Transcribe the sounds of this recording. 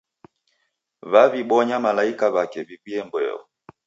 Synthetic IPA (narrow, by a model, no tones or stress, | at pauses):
vaviɓɔɲamalaikaβakɛvikiɛmbwɛ̰ɔ̰